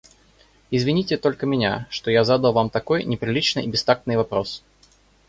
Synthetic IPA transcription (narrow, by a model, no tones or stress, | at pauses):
izʲvʲinʲitʲɪt̪ɔlʲkəmʲɪnʲa̰ʂt̪ɔjazad̪ɐw̪ˠvamt̪akɔjnʲɪpɾʲilʲit͡ʃnɨibʲɪst̪ak̚t̪nɨjvapɾɔs